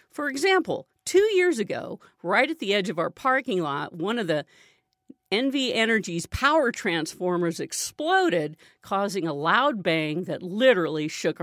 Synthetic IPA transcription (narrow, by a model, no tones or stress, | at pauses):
fə˞ɨɡzæ̃mpl̩ˠ | tʰʉjɪɹzɨɡo̰ʊ | ɹaɪɾɨt̪̚ðiɛd͡ʒʌvaʊə˞pʰɑɹkɪ̃ŋlɔt̚wʌ̃nʌvði | ɛ̃nviɛñə˞d͡ʒiz̥pʰaʊə˞tʰɹ̥æ̃nsfɔɹmə˞zɨksploʊɾɪd̚ | kʰɔzɪ̃ŋəlaʊd̚bæ̃ŋðɨtˡlɪɾə˞l̩ˠiʃʊk